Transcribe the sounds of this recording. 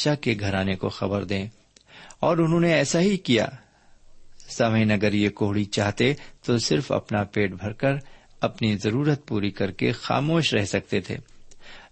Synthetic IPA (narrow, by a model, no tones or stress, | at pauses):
ʃakeɡʱɐɾaːneko̰xɐbəɾd̪ẽː | ɔːɾʊnɦõːneɛːsaɦikija̰ː | sɐməɪ̃nɐɡəɾjekoːɦɽit͡ʃaːɦt̪et̪osɪɾfɐ̰pnapeːʈbʱɐɾkəɾ | ɐpnizɐɾuːɾət̪̚puːɾikɐɾkexa̰ːmoːʃɾɛɦsɐk̚t̪et̪ʰḛː